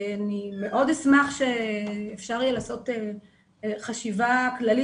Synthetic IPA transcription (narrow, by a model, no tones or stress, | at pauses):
anime̞ʔo̞desmaχʃeːfʃaʁlilaːso̞te | χaʃivaklali